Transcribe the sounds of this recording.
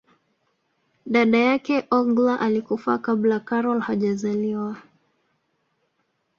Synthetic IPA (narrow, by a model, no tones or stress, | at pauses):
ɗaɗajakɛʔɔɡlaʔalikufakaɓlakaɾɔlhaʄazaliwa